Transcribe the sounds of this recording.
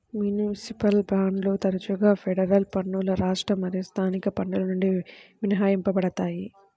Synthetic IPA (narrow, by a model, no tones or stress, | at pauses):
mjunisipɐlpɾaːɳɖlo̞ːt̪ɐɾɐt͡ʃuɡaːpʰeɖɐɾɐlpɐɳːuːlɐɾaːʂʈɾɐmɐɾɐst̪ʰaːnikɐpɐɳɖulɐnuɳɖiʋinɐɦaːjimpɐbɐɽɐt̪aːji